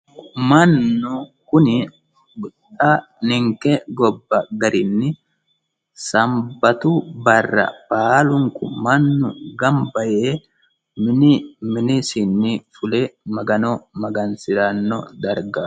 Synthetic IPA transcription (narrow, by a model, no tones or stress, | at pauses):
mɐnːʊkʊnɪ | ɡʊtʼa | nɪŋkɛɡɔbːɐɡɐɾɪnːɪ | sɐmbɐt̪ʊbɐrːɐ̰baːlʊŋkʊmɐnːʊɡɐmbɐje | mɪnmɪnɪsɪnːɪfʊlemɐɡɐnɔmɐɡɐnsɪɾɐnːɔ̰d̪ɐɾɡa